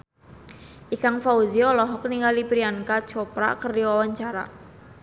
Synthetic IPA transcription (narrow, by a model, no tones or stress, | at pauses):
ʔikaŋfauziɔlɔɦɔkniŋɡalipɾiankat͡ʃɔpɾa̰kərdiwawaɲt͡ʃaɾa̰